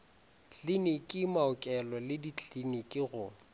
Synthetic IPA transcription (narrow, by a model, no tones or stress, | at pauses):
t͡ɬʼinikʼɪmaʊkʼɛlɔlɪdit͡ɬʼinikʼɪɣʊ